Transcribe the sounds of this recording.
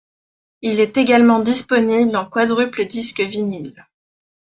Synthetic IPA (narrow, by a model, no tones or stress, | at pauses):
ilɛt̪eɡalmɑ̃d̪ispɔniblɑ̃kwad̪ʁypləd̪iskvinil